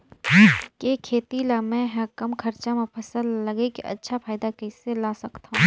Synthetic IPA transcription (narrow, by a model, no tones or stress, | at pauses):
keːkʰeːt̪ilamɛ̃ɦɛkɐmkʰɐɾt͡ʃamẽpʰɐsəlːɐɡekiʔɐ̰tːʃʰapʰaːɪd̪akeselaːsɐkt̪aɦũ